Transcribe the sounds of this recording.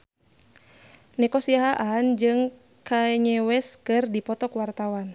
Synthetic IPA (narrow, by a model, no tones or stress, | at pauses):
nɛkɔsiaɦaʔand͡ʒɨŋ | kaɛɲɛwɛskɨrdipɔt̪ɔkwart̪awan